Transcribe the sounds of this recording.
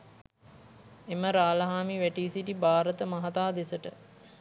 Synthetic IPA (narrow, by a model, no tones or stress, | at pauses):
eməɾaːlɐɦaːmiʋæʈiːsiʈibaːɾət̪əmɐɦɐt̪aːd̪esəʈə